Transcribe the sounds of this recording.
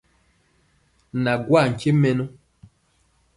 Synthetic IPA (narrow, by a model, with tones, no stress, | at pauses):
na˨ɡwa˦˨ŋ̩˨ke˦mɛ˦no˦